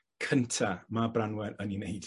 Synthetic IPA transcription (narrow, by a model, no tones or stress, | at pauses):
kʰəntʰamabranwɛɾəninejd̥